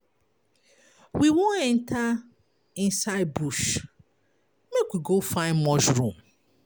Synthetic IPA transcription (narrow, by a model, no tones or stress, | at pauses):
wiwõnɛ̃ntʰa | ɪ̃nsaɪd̚buʃ | mekwiɡofãɪ̃nmɔʃɹũm